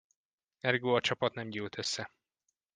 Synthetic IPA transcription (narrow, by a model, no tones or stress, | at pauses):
ɛrɡoːɒt͡ʃɒpɒt̪nɛmɟyːlt̪ʰøsːɛ